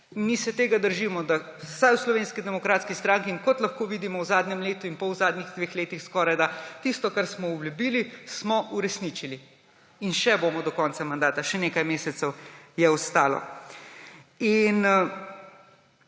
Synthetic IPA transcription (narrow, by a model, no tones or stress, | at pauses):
nmisɛt̪eːɡad̪əɾʒiːmɔd̪a | sajwslɔʋeːnskid̪ɛmɔkɾaːt̪skist̪ɾãŋkiːnkɔt̪lɐxkoːʋiːd̪imɔwzaːd̪ɲɛmleːt̪uinpɔwzaːd̪niɣd̪ʋeːxleːt̪ixskɔːɾajd̪at̪ist̪ɔkaɾsmɔubljubilismɔʔuɾɛsnit͡ʃili | inʃɛboːmɔd̪ɔkɔːnsamand̪aːt̪aʃɛneːkajmeːsɛt̪sɛwjɛɔst̪aːlɔ̰ | in